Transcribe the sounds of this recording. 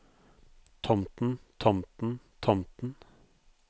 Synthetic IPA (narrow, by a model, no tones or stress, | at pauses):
t̪ʰɔmt̪n̩t̪ʰɔmt̪n̩t̪ʰɔmt̪n̩